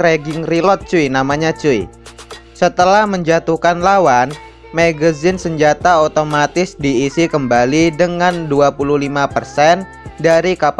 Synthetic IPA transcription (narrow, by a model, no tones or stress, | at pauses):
ɾeɡɪŋrilɔt̪̚t͡ʃuinamaɲat͡ʃui | sət̪əlahməɲd͡ʒat̪uhkanlawan | maɡazɪnsəɲd͡ʒat̪aot̪omat̪ɪsdiːsikəmbalidəŋanduapuluhlimapərsɛn | daɾikap